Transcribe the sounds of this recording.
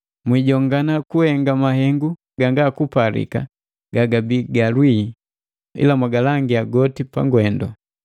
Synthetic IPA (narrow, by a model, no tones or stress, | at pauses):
mwiɟɔŋɡanakuhɛŋɡamaɦɛŋɡu | ɡaŋɡakupalḭka̰ | ɡ̥aɡabiɡalwi | ḭlamwaɡalaŋɡiaɡɔtipa̰ŋɡwɛndɔ